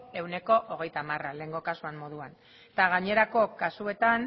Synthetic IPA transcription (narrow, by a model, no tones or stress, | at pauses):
e̞wne̞ko̞ʔoɣe̞jt̪amarale̞ːŋɡo̞kasuammo̞ð̞uan | t̪aɣaɲe̞ɾako̞kasue̞t̪an